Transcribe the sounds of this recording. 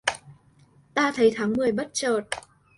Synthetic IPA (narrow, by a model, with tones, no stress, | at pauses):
t̪aː˧t̪ʰə˨˦jt̪ʰaː˨˦ŋmɨ˨˩əjɓə˦˥t̚t͡ɕəː˨˩t̚